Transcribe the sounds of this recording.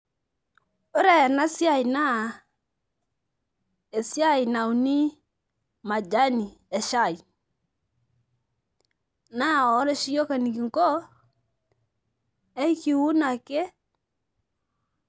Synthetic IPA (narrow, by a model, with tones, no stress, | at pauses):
o˦ɾɛ˨na˦sja˦˨jna˦ | e˨sja˦jna˨wu˨ni˦ | ma˨d͡ʒa˦ni˨ɛ˨ʃa˦˨j | na˦˨ɔ˦ɾe˦ʃi˦jo˦ka˨ni˨ki˨ŋkɔ˦ | ɛ˦jki˨wu˦na˨ke˦